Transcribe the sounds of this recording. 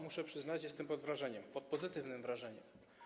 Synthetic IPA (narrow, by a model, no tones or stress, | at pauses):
muʂɛpʂɘznat͡ɕjɛst̪ɛmpɔd̪vɾaʐɛɲɛmpɔt̪̚pɔzɘt̪ɘvnɘmvɾaʐɛɲɛm